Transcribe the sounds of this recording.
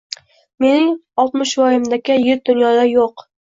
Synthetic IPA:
me̞nɪŋɒlˠt̪mɪʃvɒjɪmd̪akʲɪjɪɾ̚d̪ʊnjɒd̪ajoq

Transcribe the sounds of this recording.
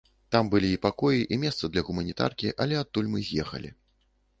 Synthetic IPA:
t̪ambɨlʲiːpakɔjiʔimʲɛst̪sɐd̪lʲɐɣumɐnʲit̪a̰rkʲiʔɐlʲɛat̪ːulʲmɨzʲjɛxɐ̰lʲḭ

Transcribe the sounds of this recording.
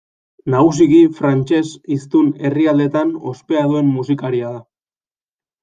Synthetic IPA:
naɣusiɣifɾant͡ʃe̞sist̪une̞riald̪e̞t̪ano̞̰spe̞aðue̞mːusikaɾiaða

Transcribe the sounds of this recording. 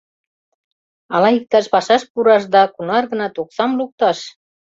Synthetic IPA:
ɑlɑik̚t̪ɑʃpɑʃɑʃpuɾɑʃ̬d̪ɑkunɑrɣə̆nɑt̪oksɑmluk̚t̪ɑʃ

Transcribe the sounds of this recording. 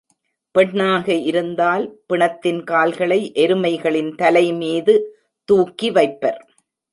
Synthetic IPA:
pɛɳːaːɣɐɪɾɯnd̪aːlpɪɳɐt̪ːɪnkaːlɣɐɭɐɪʔɛɾɯmɐɪɣɐɭɪnt̪ɐlɐɪmiːðɯ | t̪uːkːiʋɐɪpːɐɾ

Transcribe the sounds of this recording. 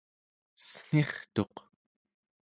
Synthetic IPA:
sə̥ŋ̥eχt̪o̞q

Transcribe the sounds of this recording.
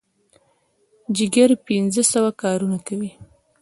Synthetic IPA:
d͡ʒɪɡəɾpinzəsawakɑɾunakawi

